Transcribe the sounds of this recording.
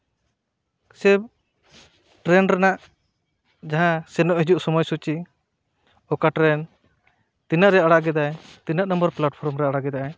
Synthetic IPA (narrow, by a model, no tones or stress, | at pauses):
sɛb̚ | ʈɾɛnɾɛnaʔ | d͡ʒaɦãsɛnɔʔhid͡ʒuʔsɔmɔjsut͡ʃi | ɔkaʈɾɛn | t̪inaʔɾɛaɽaʔɡɛd̪ajt̪inaʔnɔmbɔɾplaʈpʰɔɾmɾɛaɽaɡɛd̪aʔa